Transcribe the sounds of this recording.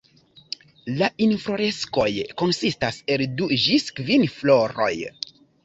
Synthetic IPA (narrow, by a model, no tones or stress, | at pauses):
lainflo̞ɾe̞sko̞jko̞nsistase̞ldud͡ʒiskvinflo̞ɾo̞̰j